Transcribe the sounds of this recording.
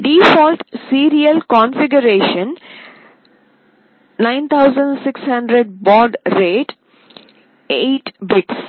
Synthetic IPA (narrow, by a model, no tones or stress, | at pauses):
ɖiːfɔːlʈsiːɾiəlkɔ̃nfɪɡəɾeːʃə̃n | nãɪ̃nt̪ʰaʊzə̃ɳɖsɪkshʌ̃ɳɖɾeɖ̚bɔːɖɾeːʈ | eːʈbɪʈs